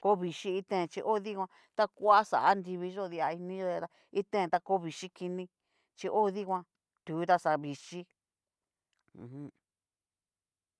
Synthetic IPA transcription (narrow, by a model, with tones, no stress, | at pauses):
ko˦βi˧ʃi˦i˧t̪ẽ˦˨˧t͡ʃi˧ʔo˦ði˦kʷã˧ | t̪a˦kʷa˦sa̰˨ʔa˦nd̪i˧βi˧ʒo˦ði˧a˧i˧nĩ˦ʒo˦ðe˧t̪a˧ | i˦t̪ẽ˦˨t̪a˦ko˦βi˨ʃi˦ki˧nĩ˧ | t͡ʃi˧ʔo˦ði˦kʷã˧ | t̪uː˨˦t̪a˦sa˧βi˨ʃi˦ | ũ˨hũ˧